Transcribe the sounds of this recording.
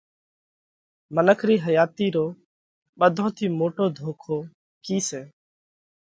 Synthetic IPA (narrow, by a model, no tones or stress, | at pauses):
mənəkʰɾiːɦəjaːt̪iːɾoː | ɓəd̪ʱõːt̪ʰiːmoːʈoːd̪ʱoːkʰoː | kiːseː